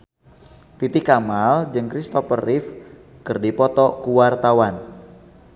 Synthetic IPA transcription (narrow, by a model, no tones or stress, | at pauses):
t̪it̪ɪkamald͡ʒɨŋkɾist̪ɔfərɪf | kɨrdipɔt̪ɔkuwart̪awan